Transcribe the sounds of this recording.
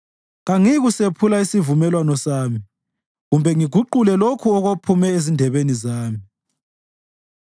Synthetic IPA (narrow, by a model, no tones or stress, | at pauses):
ɣaŋiɣusepʰulaisivumɛlwanɔsaːmi | ɣumbʱɛŋiɡʱuǃulɛlokʰuɔɣopʰumɛezindʱɛβenizaːmi